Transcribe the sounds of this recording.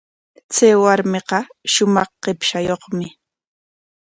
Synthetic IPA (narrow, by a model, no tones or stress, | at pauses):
t͡sajwaɾmɪqɑʃʊmɑχqepʃajoχmɪ